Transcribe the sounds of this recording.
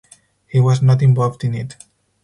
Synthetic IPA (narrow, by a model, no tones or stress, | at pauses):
hiwʌznɔt̬ɪ̃ɱvɔlvdɨ̃nɪt